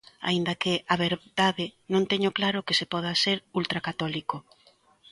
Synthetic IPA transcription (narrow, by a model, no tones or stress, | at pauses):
a̰ind̪ɐkɪʔaβeɾðaðɪnõŋt̪ɛɲoklaɾʊkɪsepɔð̞aseɾult̪ɾakat̪ɔliko